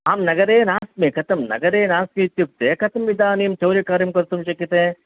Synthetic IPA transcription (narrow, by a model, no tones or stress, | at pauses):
aːmnɐɡɐɾeːnaːsmikʰɐt̪ɐmnɐ̰ɡɐɾeːnaːsmit̪juk̚t̪eːkʰɐt̪ʰɐmʋid̪aːnimt͡ʃɐwɾikaːɾjɐmkɐɾt̪umʃɐkjɐt̪ẽː